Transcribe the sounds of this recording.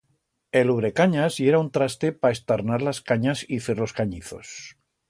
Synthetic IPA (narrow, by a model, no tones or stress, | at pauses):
e̞luβɾe̞kaɲazjeɾaunt̪ɾast̪e̞paest̪aɾnaɾlaskaɲasiθeɾlo̞skaɲiθo̞̰s